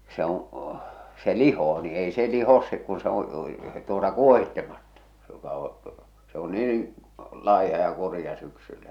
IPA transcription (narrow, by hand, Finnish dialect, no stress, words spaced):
se õː se lihoː ni ei se lihos se kun se õː tuotɑ kuohitːemɑtːɑ̥ se jokɑ õː se o niːn̞ lɑihɑ jɑ kurĭjɑ syksylːæ